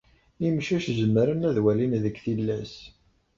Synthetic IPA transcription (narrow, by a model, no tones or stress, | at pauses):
imʃæʃzəmːəɾənæðwælinðəkːθilːæs